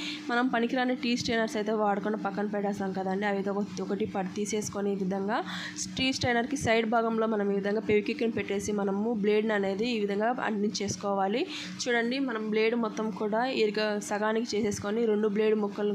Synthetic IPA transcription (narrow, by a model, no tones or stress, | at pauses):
mɐnɐmpɐnikiɾaːneʈiːsʈɐjnɐɾsɐjt̪e̞ːʋaːɽɐkuɳɖɐpɐkːɐnpɛɖaːsaːnkɐd̪ɐɳɖiɐʋed̪eɔkɐʈipɐɾt̪iːse̞ːsu̥koniːʋid̪ʱɐŋɡaː | ʈiːsʈɐjnɐɾkisɐjɖbʱaːɡɐmlo̞ːmɐnɐmiːʋid̪ʱɐŋɡaːpeʋikikːɐnipɛʈːe̞ːsimɐnɐmuble̞ːɖnɐne̞ːd̪iːʋid̪ʱɐŋɡaːɐ̰ɳʈniɲt͡ʃe̞ːsu̥kɔːʋaːli | t͡ʃuːɽɐɳɖimɐnɐmble̞ːɖmɔt̪ːɐmkuːɽaːeːɾiɡasɐɡaːnikit͡ʃeːse̞ːsu̥koniɾe̞ɳɖuble̞ːɖmɔkːɐl